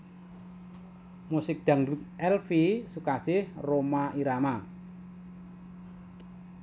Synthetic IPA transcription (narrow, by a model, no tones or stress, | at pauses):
musɪk̚d̪̥a̤ŋɾut̪ʔɛlfisukasɪhromaiɾama